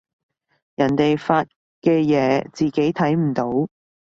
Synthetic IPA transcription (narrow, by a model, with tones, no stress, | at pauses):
jɐ˨˩nt̪e˨jfaː˧t̚ | kɛː˧jɛː˨˧˥t͡siː˨ke˨˥jt̪ʰɐ˨˥jm̩˨˩t̪o˨˥w